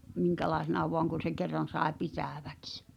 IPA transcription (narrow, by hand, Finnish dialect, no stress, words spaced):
miŋkælɑˑesenɑ ʋoɑŋ kun̞ se kerːɑn̞ sɑˑe pitæˑʋæ̥ks